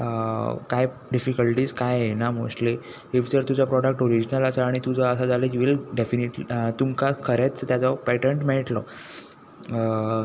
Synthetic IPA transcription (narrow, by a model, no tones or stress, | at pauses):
kaj | ɖifikəlʈiːskajenamosʈli | ifd͡zəɾt̪ud͡zapɾɔɽək̚ʈoɾid͡ʑnələsəaɽ̃it̪ud͡zɔəsad͡zaleiʋilɖefiniʈlt̪umkakʰəɾet͡st̪jat͡sɔpɛʈeɳʈmeɭʈlɔ